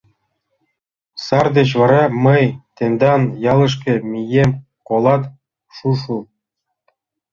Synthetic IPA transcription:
sɑrd̪et͡ɕvɑɾɑmɤjt̪ʲenʲd̪ɑnjɑlˠɤ̆ʂ̬kʲĕmʲijemʲ | kolˠɑt̪ | ʃuʂu

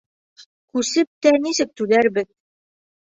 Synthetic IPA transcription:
kʉsɘp̚t̪ænisɘk̚t̪ʉðæɾbɘk̚

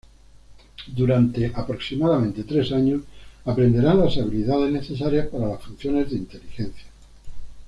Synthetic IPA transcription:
d̪uɾant̪e̞ʔapɾo̞ksimaðamẽ̞nt̪e̞t̪ɾe̞saɲosapɾe̞nd̪e̞ɾanlasaβ̞iliðað̞e̞zne̞θe̞saɾjaspaɾalasfun̟θjo̞ne̞zðeint̪e̞lixe̞nθja

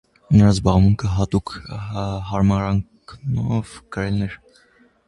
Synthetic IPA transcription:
nəɾɑzbɑʁmuŋkʰəɦɑt̪ukʰ | ɦɑɾmɑɾɑŋknɔvkəɾɛlnɛɾ

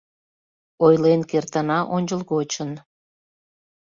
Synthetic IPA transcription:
ojlenkert̪ənɑʔonʲt͡ɕəlɣot͡ɕən

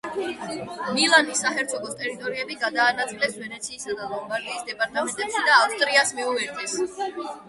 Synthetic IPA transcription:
nilˠanisaχɛɾt̪sʰɔkɔst̪ʼɛɾit̪ʼɔɾiɛbiɡad̪aːnat̪sʼilɛsvɛnɛt̪sʰiːsad̪alˠɔmbaɾɡiːsd̪ɛpʼaɾt̪ʰʼamɛnt̪ʼɛpʃid̪aːfst̪ʼɾiasmiuɛɾt̪ʼis

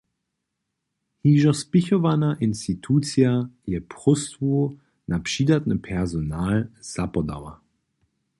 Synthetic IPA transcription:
hiːʒɔspɪçovanaʔɪnstitʰuːt͡sjajɛpʰʁ̥ɔstvu | napʃiːdatnəpʰɛɐzonaːlz̥apɔda̰wɐ̰

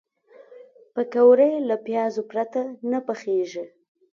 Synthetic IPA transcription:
pəkawɾəjlapjɑzopɾat̪anapaxeʒe

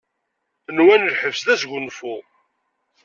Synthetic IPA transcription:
ənwænəlħəvsðæsʝʷʊnfu

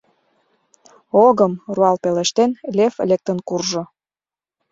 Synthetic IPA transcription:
oɣəmruɑlpeleʃt̪enlʲefelʲek̚t̪ənkurʒo

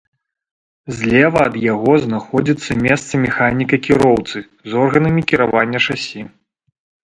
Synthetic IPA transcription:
zʲlʲɛvɐːd̪jaɣɔznaxɔd͡zʲit̪sːɐmʲɛst̪sɐmʲɛxanʲikɐkʲiɾɔwt̪sɨ | zɔrɣɐnɐmʲikʲiɾavanʲːɐʂasʲi

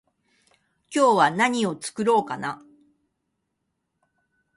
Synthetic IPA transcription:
kʲo̞ːβanaɲ̟io̞t͡sɨ̥kɯ̟ɾo̞ːkana

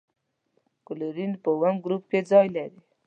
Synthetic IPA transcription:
kʊluɾinpəwamɡɾup̚ked͡zɑjlaɾi

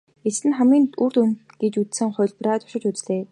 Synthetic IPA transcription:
esɘ̆nχæmiːnur̥t̪unt̪ɡ̥et͡ɕut͡s̪sɘ̆ŋχʊ̟jɮpraːt̪ʊ̥ʃɪ̆t͡ɕut͡sɮeː

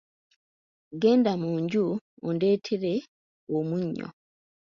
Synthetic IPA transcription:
ɡe̞ːndamuːɲɟuonde̞ːtʰeɾe | omuɲːo̰

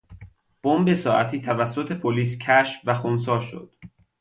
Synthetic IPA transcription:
b̥ombe̞sɒːʔæt̪ʰiːt̪ʰævæsːo̞t̪ʰe̞pʰoliːscʰæʃfvæxons̬ɒːʃo̰d̪̥

